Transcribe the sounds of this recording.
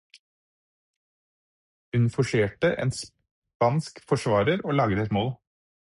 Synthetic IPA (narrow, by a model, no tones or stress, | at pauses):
ʉnfɔʃeːʈəʔḛːns | pɑnskfɔʃʋɑːɾəɾoːlɑːɡd̪ɛt̪moːl